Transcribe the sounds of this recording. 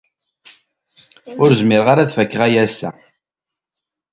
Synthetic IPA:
ʊɾzmɪɾʁaɾaðfəkːʁæjæsːæ̰

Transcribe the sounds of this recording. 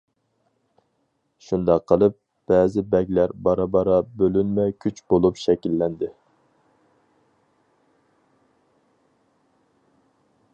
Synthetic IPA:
ʃund̪ɑqʰːəlˠɨp̚ | b̥ɛːzɪbɛɡʲlæɾbɑɾɑbɑɾɑbølynmɛkʲʰyt͡ʃbolˠupʃɛkʲilːɛnd̪ɪ

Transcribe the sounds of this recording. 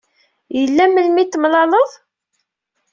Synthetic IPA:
jəlːæməlmit̪ːmlɑləðˤ

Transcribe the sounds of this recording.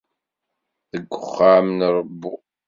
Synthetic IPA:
θəɡʷːəχːaʕmənɾˤəbːu

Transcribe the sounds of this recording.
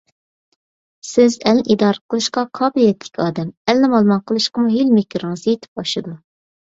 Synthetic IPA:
sɪzɛlnɪʔid̪ɑːɾəqʰəlˠɨʃqɑqʰɑːbɨlijɛt̪ʰlɪ̥kʲɑːd̪ɛmɛlnɪmɑlˠmɑnqʰəlˠɨʃqəmuɦilmekʲʰɾɨŋɨzjet̪ʰɪ̥p̚bɑʃɨd̪u

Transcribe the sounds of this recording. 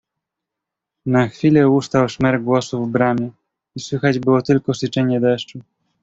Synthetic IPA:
naxfʲilɛust̪awʂmɛɾɡwɔsuvbɾamʲɛ | iswɘxad͡ʑbɘwɔt̪ɘlkɔsɘt͡ʂɛɲɛd̪ɛʂt͡ʂu

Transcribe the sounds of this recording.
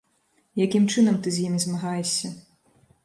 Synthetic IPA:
jakʲimt͡ʂɨnɐmt̪ɨzʲjimʲizmaɣajɛɕʲːɐ

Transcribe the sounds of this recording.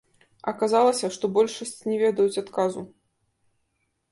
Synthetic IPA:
ɐ̰kazalˠɐsʲɐʂt̪ɔbɔlʲʂɐsʲt͡sʲnʲɛvʲɛd̪ɐjut͡sʲat̪kazu

